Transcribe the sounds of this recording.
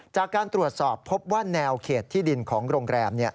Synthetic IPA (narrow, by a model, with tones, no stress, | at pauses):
t͡ɕaː˨˩kːaː˧nt̪ɾu˨˩ət̪̚sɔː˨˩pʰːo˦˥p̚waː˥˩nɛː˧wkʰeː˨˩t̪ʰːiː˥˩di˧nkʰɔː˩˦ŋɾoː˧ŋɾɛː˧mni˥˩ɐ